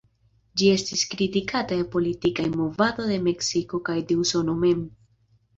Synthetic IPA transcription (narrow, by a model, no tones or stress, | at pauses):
d͡ʒie̞stiskɾitikataepo̞litikajmovado̞de̞me̞ksiko̞kajde̞uso̞nome̞m